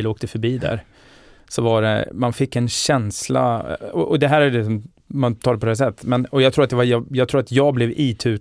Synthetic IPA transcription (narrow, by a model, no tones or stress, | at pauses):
loːkt̪əfœɾbiːd̪æ̰ɾ | sɔvaɖɛ̰manfɪkːɛnɕɛnsla̰ɔʔɔd̪ɛɦæːɾælɪsɔm | mant̪ʰɑːɖɛpɔd̪ɛːs̬ɛt̪ːmɛnɔjɑɡt̪ɾuːɾat̪d̪ɛvajjɑɡt̪ʰɾuːɾat̪jɑːɡblɛviːt̪ʰʉ̟ː